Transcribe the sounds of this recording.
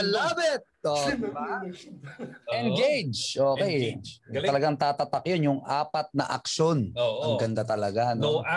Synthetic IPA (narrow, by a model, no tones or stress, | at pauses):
laːbɛt̪̚o | ʔɛnɡejd͡ʒʔoːkɛjt̪ɐlɐɡaŋt̪aːt̪ɐt̪ɐkjonjʊŋʔaːpɐt̪̚nɐ̰ʔɐ̰kʃo̞nʔɐŋɡɐnd̪at̪ɐlɐɡano